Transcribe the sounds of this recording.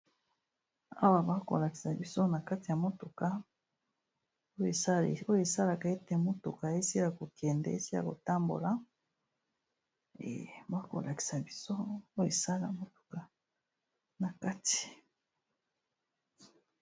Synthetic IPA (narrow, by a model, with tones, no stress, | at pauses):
a̰˦βa˨ba˦ko̰˨la˨ki̥˨sa˨bi˨so˦na˨ka˦ti˨ja˨mo˦to˨ka˨ | o˦˨a˦˨o˦je˨sa˦la˨ka˨e˦te˨mo˦to̰˨ka˨e˦si˦a˨ko˨kʰe˨ndḛ˨˦e˦si˦ɾa̰˨ko˨ta˦mbo̰˨la˦ | ḛ˨ba˦ko̰˨la˨ki̥˨sa˨bi˨so˦o˦je˨sa˦la˨mo˨to̥˨ka˨ | na˨ka˦ti̥˨